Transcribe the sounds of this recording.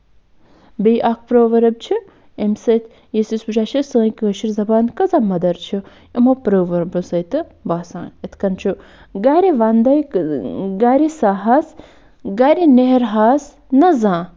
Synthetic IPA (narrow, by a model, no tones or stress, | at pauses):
bejʔak̚ʰpɾoːʋɐɾɐb̚t͡ʃʰi | emsɐt̪ʰ | jisisbut͡ʃaːʃisə̃ːjkəːʃiɾzɐbaːnkɐzaːmɐd̪ɐɾt͡ʃʰi | imoːpɾoːʋɐɾbɨsɐt̪ɨbaːsãːnɐt̪ʰkɐnt͡ʃʰu | ɡaːɾiʋand̪ɐj | ɡaːɾisaːɦas | ɡaːɾineɦeɾɦaːs | nɐzãː